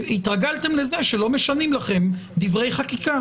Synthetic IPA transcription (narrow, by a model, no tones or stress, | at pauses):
it̪ʁaɡalt̪e̞mle̞ze̞ʃelo̞meʃanimlaχe̞md̪ivʁe̞jχakika